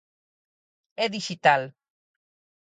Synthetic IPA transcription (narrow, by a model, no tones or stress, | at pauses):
eðiʃit̪al